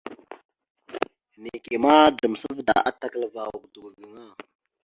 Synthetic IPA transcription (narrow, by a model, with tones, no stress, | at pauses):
ni˨ke˨ma˦də˨m˨sə˦vda̰˨ʔa˦ta˨kə˨lə˨va˨wu˨kdu˨ɡɡi˨ŋa˦